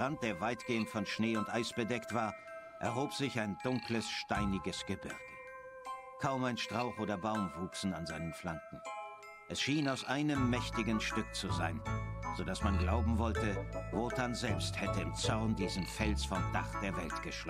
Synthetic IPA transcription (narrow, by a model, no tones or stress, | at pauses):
ʁant̚d̥eːɐvaɪtɡ̥eːəntfɔnʃneːʊntʔaɪsb̥ədɛktv̥aːɐ | ʔɛɐɦoːpz̥ɪçaɪndʊŋkləsʃtaɪnɪɡəsɡ̥əbɪʁɡ̥ə | kʰaʊmaɪnʃtʁ̥aʊxʔoːdɐbaʊmvuːksn̩a̰nzaɪnənflaŋk̚ŋ̩ | ʔɛsʃiːnaʊsʔaɪnəmːɛçtɪɡən̩ʃtʏk̚t͡suzaɪnz̥odasmanɡlaʊbm̩vɔltəvɔtʰanzɛlpsthɛtəɪmt͡sɔʁndiːzəm̩fɛlsfɔmd̥a̰χd̥eːɐvɛ̰ltɡ̥əʃl